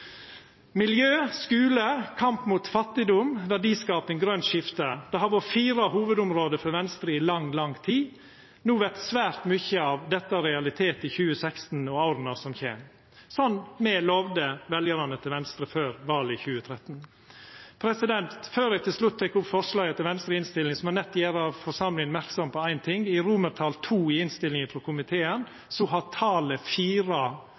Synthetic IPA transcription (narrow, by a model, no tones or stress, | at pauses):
mɪljøːskʉːləkʰɑmpmuːt̪fɑt̪ːɪd̪ʊmʋæɖiːskɑːpɛnɡɾœnʃɪft̪əd̪̥ɛɦɑʋɔfiːɾɑhuːʋəd̪ʊmɾoːd̪əfɔɾʋɛnst̪ɾəɪlɑŋːlɑŋt̪ʰiː | nuːʋɛt̪sʋæːɾt̪mʏçəɑːʋd̪ɛt̪ːɑɾɛɑlɪt̪ʰeːt̪ɪçʉːəsɛkst̪n̩ɔɑʊɾənɑsɔmçḛːm | sɔnmɛlɔʋd̪əʋɛljəɾɑnət̪ʰɪlʋɛnst̪ɾəføːɾʋɑːlɪçʉːət̪ʰɾɛt̪ːn | pʰɾɛsɪd̪ɛnt̪føːɾæɪt̪ʰɪlslʉt̪ʰːɛkːʊpfɔʂlɑːɡət̪ʰɪlʋɛnst̪ɾəɪnst̪ɪlːɪŋsɔmænɛt̪ːjæːɾɑʋfɔʂɑmlɪŋənmæɾksɔmpʰɔæɪnt̪ʰɪŋɪɾuməɾt̪ʰɑːlt̪ʰuːɪɪnst̪ɪlɪŋəfɾɔkʰʊmɪt̪ʰeːən | sɔɦɑt̪ʰɑːləfiːɾɑ